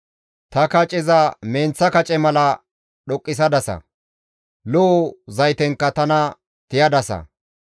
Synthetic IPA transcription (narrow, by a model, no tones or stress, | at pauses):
t̪ɐkɐt͡ʃʼɪzɐmeːnt͡sːɐkɐt͡ʃʼɛmɐlɐ | ɗɔkʼːɪs̬ɐd̪ɐsɐ̰ | lɔːzɐjt̪ɛŋkːɐt̪ɐnɐ | t̪ɪjɐd̪ɐsɐ̰